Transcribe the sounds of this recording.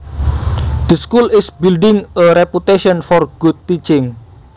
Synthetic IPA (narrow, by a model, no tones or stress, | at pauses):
d̪̥əskulɪsbilɖɪŋəɾɛput̪eʃɔnfɔrɡ̥ud̪̚t̪it͡ʃɪŋ